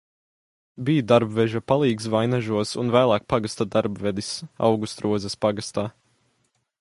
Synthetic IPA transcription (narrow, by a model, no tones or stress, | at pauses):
bijd̪aɾbvɛʒapalˠiːɡsvajnaʒuɔsunvæːlˠaːk̚paɡast̪ad̪aɾbvɛd̪isa̰wɡust̪ɾuɔzɛspaɡast̪aː